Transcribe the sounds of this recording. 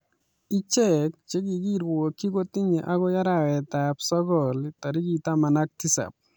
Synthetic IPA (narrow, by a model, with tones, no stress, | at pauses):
i˦t͡ʃɛ˦k̚t͡ʃe˦ɡi˨ɡi˦ɾwo˨kːi˦ɡo˦t̪ɪ˦ɲe˨ʔa˦ɡɔ˦ja˦ɾa˦wɛ˨t̪a˨psɔ˦ɡɔ˨lt̪a˨ɾi˦ɡi˨t̪a˦ma˨na˦k̚ti˦sa̰˨p̚